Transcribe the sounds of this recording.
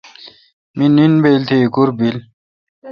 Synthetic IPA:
mininbelt̪ʰikuɾbil

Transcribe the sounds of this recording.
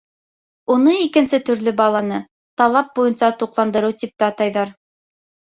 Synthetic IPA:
unɤikɘ̆nsɘt̪ɵ̆ɾlɵbɑlˠɑnɤ | t̪ɑlˠɑp̚bujɤnsɑt̪uqlˠɑnd̪ɤ̆ɾɤwt̪ip̚t̪æɑt̪ɑjðɑɾ

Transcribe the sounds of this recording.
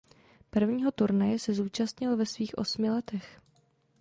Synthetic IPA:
pr̩vɲiːɦo̞t̪uɾnajɛsɛzuːt͡ʃast̪ɲɪlvɛsviːxʔo̞smɪlɛt̪ɛx

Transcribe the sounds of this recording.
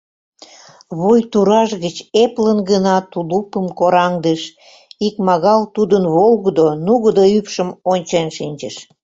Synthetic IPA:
βojt̪uɾɑʃɣət͡ɕeplənɡənɑt̪ulupəmkoɾɑŋd̪əʃ | ikmɑɣɑlt̪ud̪ənβolɣəd̪onuɣəd̪oypʃəmonʲt͡ɕenʃinʲd͡ʑəʃ

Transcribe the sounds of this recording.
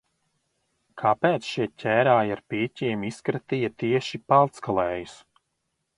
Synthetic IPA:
kʰapeːt̪sʃiɛcʰʲæːɾaːjaɾpiːcʲiɛmiskɾat̪ijɐt̪iɛʃipalˠt̪skalˠɛːjus

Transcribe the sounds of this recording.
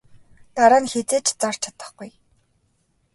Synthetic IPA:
t̪aɾaːnxet͡seːt͡ɕt͡sar̥t͡ɕʰat̪ə̥̆χɡuj

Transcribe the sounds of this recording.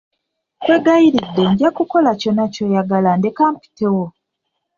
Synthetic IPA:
kwe̞ɡajiɾidːe̞ɲɟakuko̞laco̞naco̞jaɡalandekaːmpi̥tewo

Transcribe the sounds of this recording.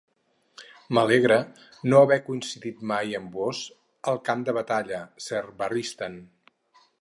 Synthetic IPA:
məleɣɾə | noəβɛkuinsiðit̪majəmboz | əlˠkamd̪əβət̪aʎəsɛɾbərist̪ən

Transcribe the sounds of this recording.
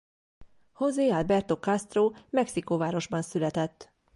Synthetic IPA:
hozeːalbɛrt̪okɒst̪roːmɛksikovaːɾo̞ʒbɒnsylɛt̪ɛt̪ː

